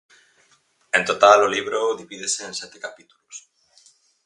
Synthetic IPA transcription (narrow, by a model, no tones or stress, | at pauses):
ent̪ot̪aloliβɾoðiβiðeseːnsɛt̪ekapit̪ulus